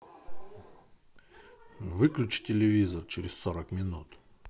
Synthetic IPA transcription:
vɨklʲʉt͡ɕtʲɪlʲɪvʲizərt͡ɕɪɾʲɪsʲsoɾəkmʲɪnut̪

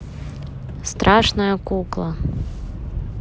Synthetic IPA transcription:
st̪ɾʔaʂnɐjɐkuklˠɐ

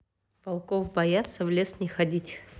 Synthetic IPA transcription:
pɐlˠkofbɐjat̪səvlʲe̞snʲɪxɐdʲitʲ

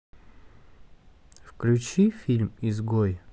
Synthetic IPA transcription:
fklʲʉt͡ɕifʲilʲmizɡoj

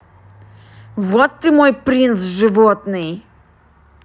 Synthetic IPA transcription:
vɔt̪ːɨmujpɾʲint̪sʐɨvɔt̪nɨj

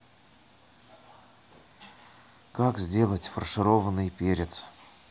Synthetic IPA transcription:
kakzʲdʲe̞lˠətʲfərʂɨɾo̞vənɨjpʲeɾʲɪt̪s

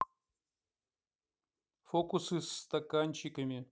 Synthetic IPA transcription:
fokʊsɨsːt̪ɐkanʲt͡ɕɪkəmʲɪ

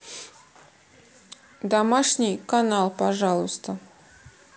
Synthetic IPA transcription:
d̪ɐmaʂnʲɪjkɐnalˠpɐʐalˠʊst̪ə

